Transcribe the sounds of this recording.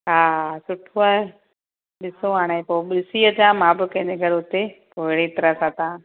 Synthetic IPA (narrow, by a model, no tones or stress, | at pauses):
ɦaːsʊʈʰoaːɦe | ɗɪsõaːɽ̃eẽpoːɓɪsiəd͡ʑãːmãːbɪkɐ̃ɦɪ̃ɲd͡ʑeɡʱɐɽɦʊt̪epoːɦɪɽet̪ɐɾəsãt̪ãː